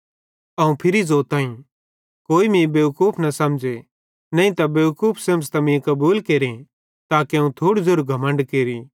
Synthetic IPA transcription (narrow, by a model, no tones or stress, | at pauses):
ɐũpʰɪɾizoːt̪ãːĩ | koːimĩbekuːpʰnɐsɐmd͡ʒe | nɐ̃ĩt̪ɐbeukuːpʰseːmst̪ɐmĩkɐbuːlkeːɾĩ | t̪aːkeɐũt̪ʰoːɽd͡zoɾɡʱɐmə̃ɳɖkeːɾi